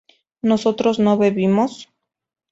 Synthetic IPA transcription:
no̞so̞t̪ɾo̞zno̞βeβimos

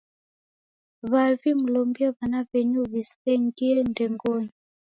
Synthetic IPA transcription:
βavimulɔmbiɛβanaβɛɲuβisɛŋɡiɛndɛŋɡɔni

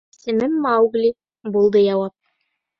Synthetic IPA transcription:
ssɘ̆mɘmːɑwɡlʲi | bulˠd̪ɤjɑwɑp̚

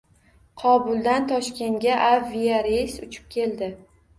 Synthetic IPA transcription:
qʰɒbʊlˠd̪ant̪ʰɒʃkʲe̞nɡʲaʔavijaɾejsʊt͡ʃʰɪ̥p̚kʲʰe̞ld̪ɪ

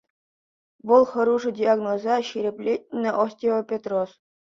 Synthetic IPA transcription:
ʋɤ̆lˠχɤ̆ɾuʐɨ̆dʲiaɡnozɑɕiɾʲĕpʲlʲet̚ʲnʲːɘ̆ʔosʲtʲeʋopʲet̪ros

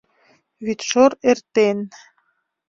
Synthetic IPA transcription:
βit̪ʃoɾert̪en

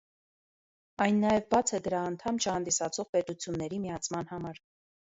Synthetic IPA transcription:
ɑjnːɑjɛvbɑt͡sʰɛd̪əɾɑːnt̪ʰɑmt͡ʃʰəhɑnd̪isɑt͡sʰɔʁpɛt̪ut͡sʰjunːɛɾimiɑt͡sʰmɑnhɑmɑɾ

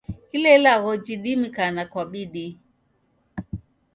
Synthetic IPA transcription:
kilɛlaɣɔd͡ʒiɗimikanakwaɓiɗi

